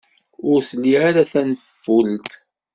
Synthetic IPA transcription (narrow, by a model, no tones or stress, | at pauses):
ʊɾslːiaɾaθænəffːult̪